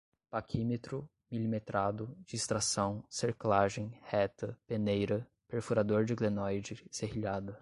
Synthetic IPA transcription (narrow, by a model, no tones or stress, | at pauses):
pakʰimet̪ɾʊ | milimet̪ɾad̪ʊd͡ʒɪːst̪ɾasɐ̃w̃seɾklaʒẽj̃hɛt̪ɐpenejɾɐ | peɾfuɾad̪oɾd͡ʒɪɡlenɔjd͡ʒɪseɦiʎad̪ɐ